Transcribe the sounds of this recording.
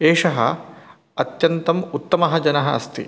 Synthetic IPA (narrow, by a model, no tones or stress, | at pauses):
eːʂɐɦɐ̰ | ɐt̪jɐnt̪ɐmut̪ːɐmɐɦɐd͡ʒɐnɐɦɐɐ̰st̪ḭ